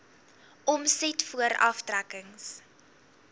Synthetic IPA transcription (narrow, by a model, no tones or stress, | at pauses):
ʔɔmsɛtfuəɾɐ̰ftrækəŋs